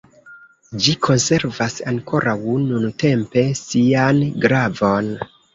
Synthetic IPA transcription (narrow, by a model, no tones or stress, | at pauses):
d͡ʒikʰo̞nse̞ɾvasaŋko̞ɾʔawnunute̞mpe̞sianɡɾavo̞n